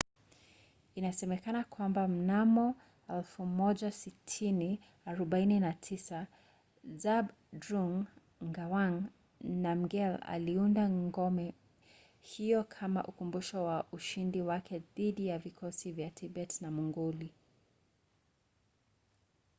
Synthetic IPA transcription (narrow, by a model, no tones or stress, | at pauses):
inasɛmɛkanakwambam̩namɔ | ɛlfumɔʄasitʰini | aɾɔɓaininatʰisa | zab | dɾuŋ | ŋɡawaŋ | nam̩ɡɛla̰liundaŋŋŋɡɔmɛ | hijɔkʰama̰ʔukumbuʃɔwaʔuʃindiwakʰɛðiɗijavikʰɔsivjatʰiɓɛtnamuŋɡuli